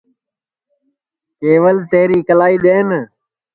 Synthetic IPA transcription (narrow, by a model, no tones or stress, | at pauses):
keːʋəlt̪eːɾiːkəlaːiːɗ̪eːn